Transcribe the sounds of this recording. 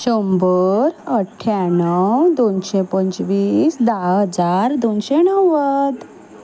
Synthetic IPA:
ɕəmbəɾəʈʰːjanəwd̪onɕepəɲt͡ɕʋiːsd̪aɦəd͡zaɾd̪onɕenəwʋəd̪

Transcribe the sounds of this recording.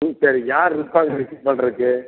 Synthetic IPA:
sɐɾijaːɾɾɯpːaːŋɡɐɪɾɯkːɯpɐɳːɪɾɯkːɯ

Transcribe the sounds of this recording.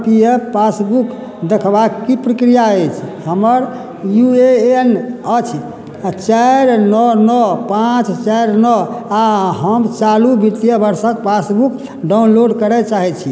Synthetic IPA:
pijəpasbuk | d̪ekʰbakːipɾəkɾijaet͡ʃʰhəməɾ | juenət͡ʃʰ | t͡ʃɛɾnɔnɔpãt͡ʃt͡ʃɛɾnɔaɦəmt͡ʃalubit̪ijəbəɾsəkpasbuk | ɖaunloɖkəɾɛt͡ʃaɦɛt͡ʃʰi

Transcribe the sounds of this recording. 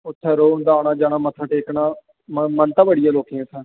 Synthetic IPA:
ʊt̪ʰːɛːɾoːʊnd̪aːnaːd͡ʒaːnaːmət̪ʰːaːʈeːknaː | mmənt̪ãːbəɽɪjaːloːkẽãːsɛ̃ː

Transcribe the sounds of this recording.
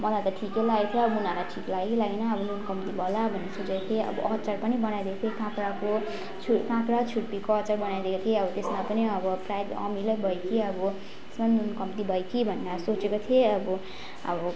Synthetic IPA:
mʌlajt̪ʌʈʰikelaɡt̪ʰjiʌbʌunalaʈʰiklaɡilaɡenʌːbʌnunkʌmpt̪ibʱʌlabʱʌnːesot͡sekot̪ʰjeʌ̰bʌʔʌt͡sarpʌnibʌnajd̪ekot̪ʰekãpɾako | t͡sʰukãkɾat͡sʰuɽpikoʌt͡sarbʌnajd̪ekot̪ʰjeʌbʌt̪esmapʌniʌbʌprajd̪ʌ̰milʌjbʱʌjkiʌbʌ | t̪e̥smannunkʌmpt̪ibʱʌjkibʱʌndasot͡sekot̪ʰijeʌbʌ | ʌ̰bʌ

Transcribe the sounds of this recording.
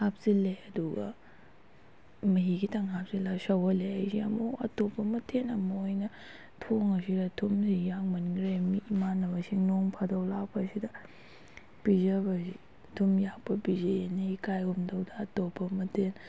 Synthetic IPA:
hap̚sileɐduɡɐ̰ | mɐɦiɡitʰɐŋɦap̚silasɐwɐleɦajsiɐmuɐ̰topːɐmɐtʰenɐmɐojnɐ | tʰoŋɐsidɐtʰumsijaŋmɐniŋɡɾemiːmanːɐβɐsiŋnoŋpʰadɐwlakpɐːsidɐ | pizɐβɐsi | tʰumjapɐbizenikajumdɐwdɐːtopːɐmɐtʰen

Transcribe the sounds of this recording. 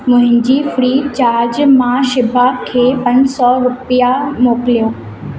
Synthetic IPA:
mʊ̃ɦɪ̃ɲd͡ʑiːfɾiːt͡ɕaːɾd͡ʑmãʃɪbʱakʰeːpɐɲsɔɾʊpijamoːkɪlijoː

